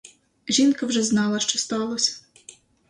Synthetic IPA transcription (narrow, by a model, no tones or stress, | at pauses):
ʒinkɐwʒɛznɑlˠɐʃt͡ʃɔst̪ɑlˠɔsʲɐ̥